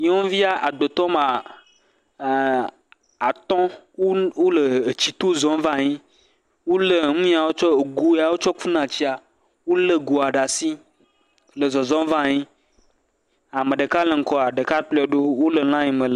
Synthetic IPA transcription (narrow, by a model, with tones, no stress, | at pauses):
ɲẽ˦wo˦vi˦a˦ʔa˨ɡ͡bo˨t̪ɔ˦mã˨ | a˨t̪ɔ̃˦ | wo˦lə˨t͡ɕi˨t̪o˦zɔ̃˦m˦vã˦˨ɲĩ˦ | wo˦lə˨ŋũ˦a˨wo˦t͡ʃɔ˦e˨ɡu˨ja˨wo˦t͡ʃɔ˦ku˦nã˨t͡ɕi˦a˨ | wo˦lə˦ɡo˨a˨ɖa˨si˦ | lə˨zɔ˨zɔ̃˦m˦vã˦˨ɲĩ˦ | a˨mẽ˨ɖə˨ka˦le˨ŋ̩˦kɔ˦a˨ɖə˨ka˦k͡plɔ˦ɖo˦wo˦lə˨l̃ã˦ɲĩ˨me˨l